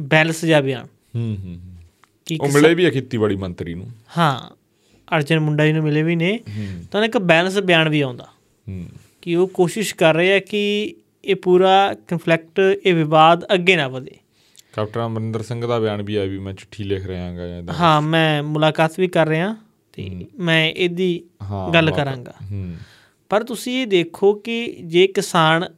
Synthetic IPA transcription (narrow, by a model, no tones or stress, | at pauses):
bɛːləsd͡ʒaːbɪja̰ːɳ | ɦɦː | kɪoːmɪleːbiːɛːkiːt̪iːbaːɽiːmənt̪ɾḭːnṵ̃ːhãː | əɾd͡ʒənmʊɳɖaːiːnũːmɪleːʋiːneːt̪ãɪkbɛːləsbjaːɳʋiːãːnd̪aː | ɦ | kɪoːkoːʃɪʃkəɾːəeːɛːkɪ | eːpuːɾaːkənpʰlɛk̚ʈeːʋɪʋaːd̪əɡːeːnãːpəd̪ḛː | kɛːp̚ʈəɾməɾɪnd̪əɾsə̃ŋɡd̪aːbjaːɳbiːɛːʋiːmɛ̃ːt͡ʃʊ̥ʈʰːiːlɪkʰɾəãːɡaːd̪ɦãːmɛ̃ːmʊlaːkaːt̪ʋiːkəɾːəãː | t̪ḛːmɛ̃ːʔeːd̪iːɦaɡəlːkəɾãːŋɡa̰ː | pəɾt̪ʊsĩːeːd̪eːkʰoːkɪd͡ʒeːkɪsaːn